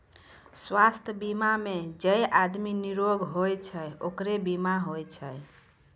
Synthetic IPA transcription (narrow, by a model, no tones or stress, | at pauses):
swast̪ʰəbimamed͡ʒəjʔad̪miniɾoɡɦojt͡ʃʰəjokɾebimaɦojt͡ʃʰəj